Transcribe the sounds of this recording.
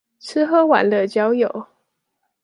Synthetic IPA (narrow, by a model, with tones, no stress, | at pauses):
t͡s̩ʰ˥xɤ˥wa̰˨˩˦nlə˧˩t͡ɕjɑ˥ʊjo˨˩˦ʊ